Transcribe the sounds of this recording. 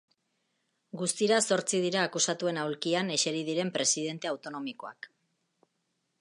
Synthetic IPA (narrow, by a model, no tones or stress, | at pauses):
ɡust̪iɾaso̞ɾt͡sið̞iɾaːkusat̪ue̞nawlkiane̞ʃe̞ɾið̞iɾe̞mpɾe̞siðe̞nt̪e̞awt̪o̞no̞miko̞a̰k